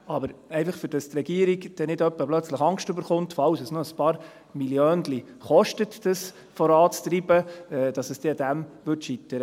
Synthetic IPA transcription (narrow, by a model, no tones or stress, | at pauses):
ɑbəɾɛɪfɑχfʏɾd̥ɑst̪rɛɡ̥iːəɾiɡd̥ɛnɪdœpːəb̥lœt͡sləχɑŋstʏbəɾχʊnt̪fɑwsəsnoəspɑːɾ | miljøːndli | χɔʃtətd̥ɑs | fɔɾɑːt͡st̪ɾiːbəɛːd̥ɑsəsd̥ɛɑdæmʋʏtʃit̪ːəɾə